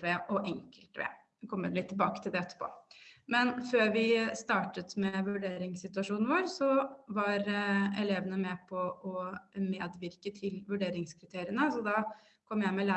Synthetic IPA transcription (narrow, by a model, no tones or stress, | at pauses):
ʋeʔɔʔɛŋkəlt̪ʋḛ | kʰɔmːət̪lɪt̪ʰːɪlbɑːkət̪ʰɪld̪ɛɛt̪ːə̥pʰo̰ːmɛnføːɾʋɪst̪ɑːʈət̪mɛʋʉɖeːɾɪŋsɪt̪ʉɑʂuːnn̩ʋoːɾsɔʋɑɾɛleːʋənəmɛpʰɔɔmeːd̪ʋɪɾkət̪ʰɪlʋʉɖeːɾɪŋskʰɾɪt̪ʰeːɾɪənəsɔd̪ɑ | kʰɔmːjæɪmɛlæ